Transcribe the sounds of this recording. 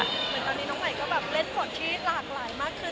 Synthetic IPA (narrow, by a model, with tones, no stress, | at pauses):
mɯ˩˦ənt̪ɔː˧nːi˦˥nɔː˦˥ŋma˨˩jkɔː˥˩bɛː˨˩p̚le˦˥˩npʰo˨˩˦t̪̚t͡ɕʰiː˧wi˦˥t̪̚laː˨˩k̚laː˨˩˦jmaː˥˩kʰːɯ˥˩